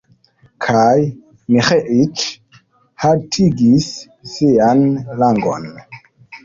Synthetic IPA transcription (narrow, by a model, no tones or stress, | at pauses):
kʰaj | mixeʔit͡ʃ | hatʰiɡisː | ianlaŋɡo̰n